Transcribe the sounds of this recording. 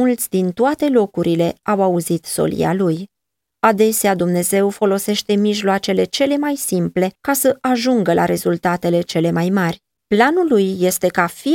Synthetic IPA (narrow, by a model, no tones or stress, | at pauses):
ult̪sʲd̪int̪oat̪e̞lo̞kuɾʔile̞awauzit̪so̞̰lḭa̰luj | ad̪e̞sead̪umne̞ze̞wfo̞lo̞se̞ʃt̪e̞miʒloat͡ʃe̞le̞t͡ʃe̞le̞majsimple̞kasəʔaʒuŋɡəlʔa̰ɾe̞zult̪at̪e̞le̞t͡ʃe̞le̞majmarʲ | planulːujːe̞st̪e̞kafi